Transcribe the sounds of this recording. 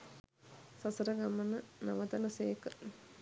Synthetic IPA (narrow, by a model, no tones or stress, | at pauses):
sɐsɐɾɐɡɐmɐnɐnɐʋɐt̪ɐnɐseːkə